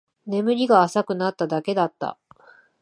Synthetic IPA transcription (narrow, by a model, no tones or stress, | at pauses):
ne̞mɯ̟ɾʲiɡaːsakɯ̟nat̪ːad̪ake̞d̪at̪ːa̰